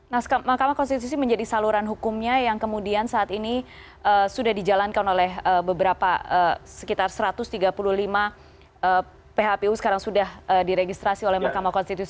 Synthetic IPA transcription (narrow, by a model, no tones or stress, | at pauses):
nahsamahkamakɔnst̪it̪us̬iməɲd͡ʒadisaluɾanɦukumɲajaŋkəmudiansaʔːt̪ini | ʔəsudahdid͡ʒalankanolɛɦəbəbəɾapaəsə̥kit̪arsəɾat̪ʊst̪iɡapuluhlima | ə | peɦapeusə̥kaɾaŋsudahədiɾeɡist̪ɾasiolɛhmahkamakɔnst̪it̪usi